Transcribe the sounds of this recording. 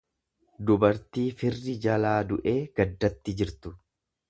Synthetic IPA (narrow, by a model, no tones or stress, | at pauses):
d̪ʊbɐɾt̪iːfɪrːɪd͡ʒɐlaːd̪ʊʔe̞ːɡ̥ɐd̪ːɐt̪ːɪd͡ʒɪɾt̪ʊ